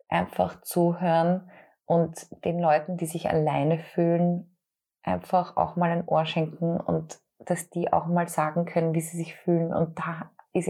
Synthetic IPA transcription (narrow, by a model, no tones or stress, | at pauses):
ʔa̰ɪnfa̰xt͡suːɦøːɐn | ʔʊntd̥eːnlɔʏtn̩diːzɪça̰laɪnəfyːlən | ʔaɪnfaxa̰ʊxmaːlæɪnʔoːɐʃɛŋkŋ̩ʊ̰nt | d̥asd̥iːʔa̰ʊxmaːlz̥aːɡŋ̩kʰœnənviːziːzɪçfyːlən̩ʊ̰nt̚d̥aːɪs